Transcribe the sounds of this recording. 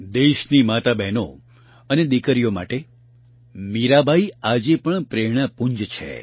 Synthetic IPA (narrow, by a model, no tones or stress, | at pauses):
d̪eʃnimat̪abɛno | əned̪ikəɾijoma̰ʈe | miɾabʱaiad͡ʒepəɳpɾeɽ̃apuɲd͡ʒt͡ʃʰḛ